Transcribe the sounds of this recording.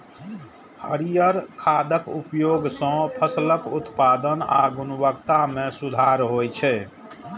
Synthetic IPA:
hə̰ɾijəɾkʰad̪əkupjoɡsə̃pʰəsləkut̪pad̪əna̰ɡunbəkt̪amẽsud̪ʱaɾɦojt͡ʃʰɛ

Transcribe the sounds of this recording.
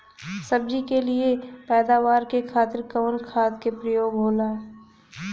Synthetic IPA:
sɐb̚d͡ʒikeliepɛːd̪aːʋaːɾkekʰaːt̪ɪɾkəʋənkʰaːt̪kepɾəjoːɡɦoːlaː

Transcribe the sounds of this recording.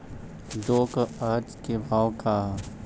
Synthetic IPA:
d̪oːkaːd͡ʒkebʱaːwkʰaːɦ

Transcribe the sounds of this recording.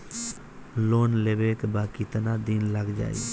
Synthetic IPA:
loːnleʋeːkbaːkit̪naːd̪iːnləɡd͡ʒa̰ːḭ

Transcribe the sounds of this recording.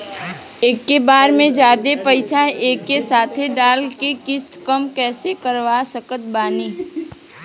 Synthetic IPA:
eːkːebaːɾmẽd͡ʒaːd̪epəɪsaeːkːesaːt̪ʰeɖaːlkekɪsʈ̪kəmkɛːsekəɾʋasəkət̪̚baːniː

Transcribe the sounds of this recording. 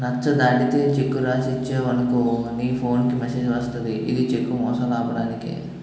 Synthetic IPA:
nɐt͡ʃːɐd̪aːɽit̪eːt͡ʃekːuɾaːsit͡ʃːeːʋɐnɐkuniːpʰo̞ːnkimeseːd͡ʒʋɐst̪ɐd̪iʔid̪it͡ʃekːumɔːsɐmaːpɐɽaːnikḭ

